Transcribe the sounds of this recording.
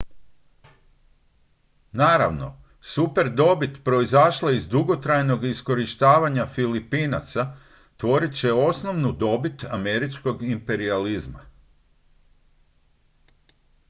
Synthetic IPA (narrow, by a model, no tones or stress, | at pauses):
naːɾa̰ʋno̞̰ | supe̞ɾd̪o̞bit̪pɾo̞izaʃlaizd̪uɡo̞t̪ɾajno̞ɡisko̞ɾiʃt̪aːʋaɲafilipina̰t̪sa | t̪ʋo̞ɾit̪t͡ɕe̞o̞sno̞ʋnud̪o̞bit̪a̰me̞ɾit͡ʃko̞ɡimpe̞ɾializma̰